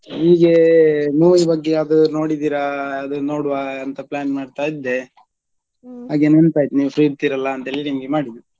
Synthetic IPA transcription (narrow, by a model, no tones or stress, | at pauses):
iːɡemuːʋibɐɡːe̞ɐd̪uno̞ːɽid̪iːɾɐːd̪uno̞ːɽuʋaɐnt̪ɐplaːnmaːɖt̪aːjid̪ːe̞ | ɦaːɡenɐnt̪aːjt̪nipʰɾiːt̪iɾɐlːɐːnt̪eːlinimɐɡemaːɽid̪u